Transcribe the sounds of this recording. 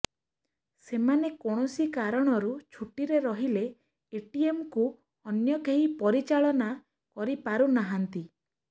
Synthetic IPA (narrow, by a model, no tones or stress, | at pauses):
semanekoɽ̃ɔsikaɾɔɽ̃ɔɾut͡ʃʰuʈiɾeɾɔɦileː | ʈiemku | ɔnjɔkeɦipɔɾit͡ʃaɭɔna | kɔɾipaɾunaɦant̪i